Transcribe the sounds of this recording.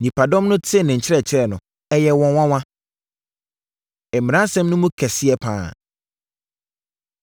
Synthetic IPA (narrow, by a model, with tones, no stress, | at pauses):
nĩ˨pʰa˨dɔ̃˦mnʊ̃˦tʰɪ˦˨nɪ̃˨ɲ̩˨t͡ɕʰɪ˦ɾɛ˦˨t͡ɕʰɪ˦ɾɛ˦˨nʊ̰̃˨ | ɛ˦jɛ˦wɔ̃˦wã˦wã˦ | ɛ˨mĩ˨ɾã˦sɛ̃˦mnʊ̃˦mũ˦kʰɛ˨sɪ˦ɛ˦pʰã̰ː˦˨